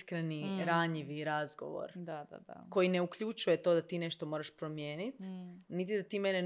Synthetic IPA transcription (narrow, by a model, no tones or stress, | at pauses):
skɾeniɾaɲiʋiɾazɡo̰ʋo̰ɾd̪aa̰d̪a̰ko̞jine̞ukʎut͡ʃuje̞t̪o̞d̪at̪iːne̞ʃt̪o̞moɾaʃpɾo̞mje̞ːnit̪nit̪id̪at̪iːmene